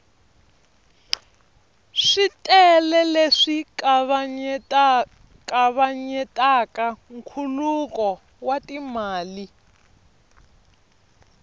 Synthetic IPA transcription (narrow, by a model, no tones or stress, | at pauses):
ʂitʼɛlɛleʂik | kaβaɲɛtʼakaŋ̩kʰulukɔ | watimaːli